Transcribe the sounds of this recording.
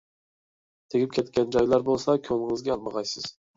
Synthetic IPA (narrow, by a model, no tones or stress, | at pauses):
t̪ʰeɡʲip̚kʲʰɛt̪kʲɛnd͡ʒɒjlˠɑɾbolˠsɑkʲʰølɪŋɨzɡʲɛɑlˠməʁɑjsɨz̥